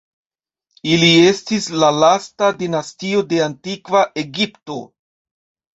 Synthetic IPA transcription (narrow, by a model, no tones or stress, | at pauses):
ilie̞stislalastadinastio̞de̞antikvaʔe̞ɡipto̞̰